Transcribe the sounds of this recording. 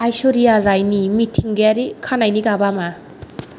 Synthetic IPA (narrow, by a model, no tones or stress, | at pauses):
ajsɔɾijaɾajnimitʰiŋɡeaɾikʰanajniɡabama